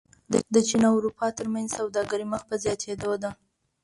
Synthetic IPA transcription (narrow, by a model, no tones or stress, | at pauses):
d̪ət͡ʃinɑʊɾupʰɑt̪əɾmanzsawd̪ɑɡaɾiməxpəzjɑt̪ʰed̪od̪a